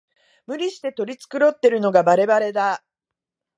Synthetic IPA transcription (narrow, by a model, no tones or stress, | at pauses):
mɯ̟ɾʲiɕi̥t̪e̞t̪o̞ɾʲit͡sɨ̥kɯ̟ɾo̞t̪ːe̞ɾɯ̟no̞ɡabaɾe̞baɾe̞d̪a